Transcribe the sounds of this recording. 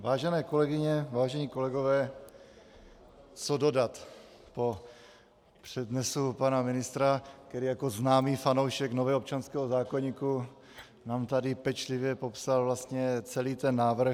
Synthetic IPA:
vaːʒɛnɛːko̞lɛɡɪɲɛvaːʒɛɲiːko̞lɛɡovɛː | t͡sodo̞dat̪ | po | pr̥ɛd̪nɛsupanamɪnɪst̪ɾakt̪ɛɾiːjako̞znaːmiːfano̞wʃɛknovɛːop̚t͡ʃanskɛːɦozaːkoɲiːku | naːmt̪adɪpɛt͡ʃlɪvjɛpo̞psalvlast̪ɲɛt͡sɛliːt̪ɛnːaːvr̩

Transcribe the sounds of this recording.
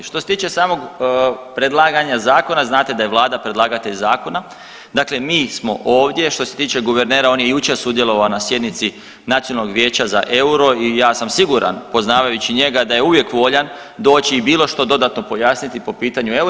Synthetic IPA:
ʃt̪o̞se̞t̪iːt͡ʃe̞saːmo̞ɡpɾe̞d̪lˠaːɡaɲazaːko̞naznaːt̪e̞d̪ajeʋlˠaːd̪apɾe̞d̪laːɡat̪eʎzaːko̞na | d̪aːkle̞miːsmo̞̰ʔo̞ːʋd̪ʲje̞ʃt̪o̞se̞t̪iːt͡ʃe̞ɡuʋeɾneːɾao̞ːnje̞jut͡ʃe̞ɾsud̪jelˠo̞ʋaonasje̞d̪nit̪si | nat̪ionaloɡʋje̞ːt͡ɕaza̰ʔe̞uɾo̞ijaːsamsiɡuɾa̰npo̞znaːʋajut͡ɕiɲe̞ɡad̪ajeuʋjekʋo̞ʎan | d̪o̞ːt͡ɕiːbiːlo̞ʃt̪o̞d̪o̞d̪at̪nopo̞jasnit̪ipo̞piːt̪aɲue

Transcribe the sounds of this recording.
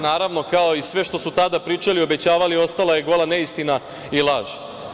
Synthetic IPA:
naːɾaʋno̞kao̞isʋe̞ʃt̪o̞sut̪ad̪apɾiːt͡ʃalio̞be̞t͡ɕaːʋalio̞st̪alajeɡo̞lˠane̞ist̪ina | ilˠaːʒe

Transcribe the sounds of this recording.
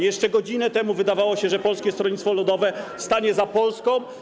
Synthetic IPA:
jɛʂt͡ʂɛɡɔd͡ʑinɛt̪ɛmuvɘd̪avawɔɕɛʐɛpɔlskʲɛst̪ɾɔɲʲit̪fɔlud̪ɔvɛst̪aɲɛzapɔlskɔ̃

